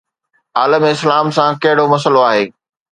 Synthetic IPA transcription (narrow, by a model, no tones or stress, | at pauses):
aːləmeɪslaːmsãkɐɦɪɽomɐs̬əloaːɦeː